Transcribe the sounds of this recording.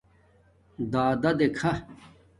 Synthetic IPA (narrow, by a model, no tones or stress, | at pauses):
d̪aːd̪ɐd̪ekʰɐ